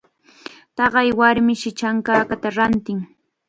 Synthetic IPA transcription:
t̪ɑɢɑjwaɾmɪʃɪt͡ʃaŋkaːkat̪aɾant̪ɪŋ

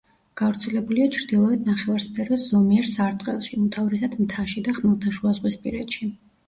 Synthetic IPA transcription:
ɡ̥avɾt̪sʰɛlɛbuliat͡ʃʰɾd̪ilˠɔɛd̪̚naχɛvaɾspʰɛɾvɛszɔmiɛɾsaɾt̪ʼqʼɛlˠʃiut̪ʰavɾɛsad̪mt̪ʰaʃid̪aχmɛlˠt̪ʰaʃuazʁwispʼḭɾɛd̪ʃi

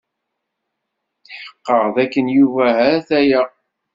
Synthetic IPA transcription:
θħə̥qːəʁðækːənjuvæɦæθæjæ

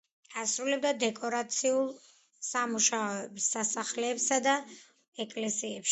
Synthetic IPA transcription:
asɾulɛbd̪ad̪ɛkʼɔɾat̪sʰiulˠ | samuʃaɔɛbsːasaχlɛːpsad̪a | ɛkʼlɛsiɛpʃ

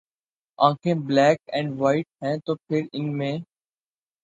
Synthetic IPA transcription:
ãːkʰẽblɛːkɛ̃ːɳɖʋaːɪʈ̚ɦɛ̃ːt̪oːpʰɪɾɪnmẽː

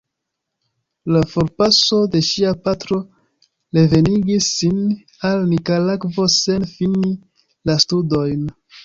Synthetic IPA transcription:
lafoɾpaso̞de̞ʃiapatɾo̞ | ɾe̞ve̞niɡisːin | alnikalakvo̞se̞nfini | lastudo̞jn

